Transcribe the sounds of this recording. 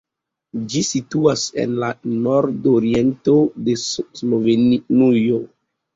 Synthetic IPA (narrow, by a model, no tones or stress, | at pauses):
d͡ʒisituasḛnlanoɾdoɾientodeslovennujo